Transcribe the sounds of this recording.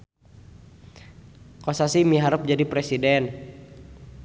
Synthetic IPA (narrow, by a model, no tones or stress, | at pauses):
kosasimiɦaɾʊp̚d͡ʒadipɾɛsidɛn